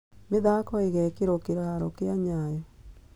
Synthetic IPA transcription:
meðakɔeɣɛkeɾokeɾaɾokeaɲajɔ

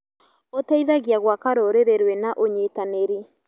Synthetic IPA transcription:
otaiðaɣjaɣwakaɾoɾeɾeɾwɛnaʔoɲeːtaneɾi

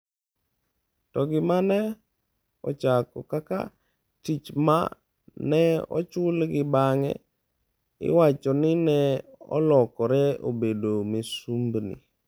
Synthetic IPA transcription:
tɔɡɪmanɛ | ɔ̰t͡ʃakɔkaka̰ | tit͡ʃma̰ | nɛɔ̰t͡ʃʊlɡɪbaŋɛ̰ | ɪ̰wat͡ʃɔnɪnɛɔ̰lɔkɔɾɛo̰bedomesumbnḭ

